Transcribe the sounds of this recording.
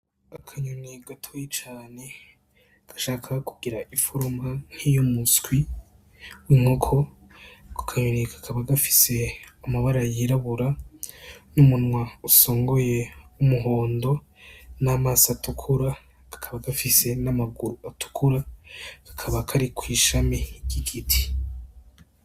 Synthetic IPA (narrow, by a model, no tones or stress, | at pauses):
akʰaɲuniɡatʰojet͡ʃaːne̞ | ɡ̥ḁʃaːkʰakuɡiɾaifuɾumbaŋ̥hijomuskwi | wiŋ̥ho̞kʰo̞ | ko̥kʰaɲunikḁkʰaβaɡafi̥se̞amaβaɾajiɾaβuɾa | numunŋwauso̞ːŋɡo̞je̞umuɦo̞ːndo̞ | namaːsatukʰuɾa | ɡ̥ḁkʰaβaɡafisenamaɡuɾuatu̥kʰuɾaɡ̥ḁkʰaβakʰaɾikʰwiːʃameɟ̥iɡitʰi̥